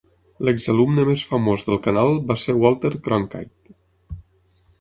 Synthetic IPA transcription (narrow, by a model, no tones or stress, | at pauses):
ləɡzəlumnəmesfəmozðəlˠkənalˠbasewɔlˠt̪əɾkɾɔŋka̰jt̪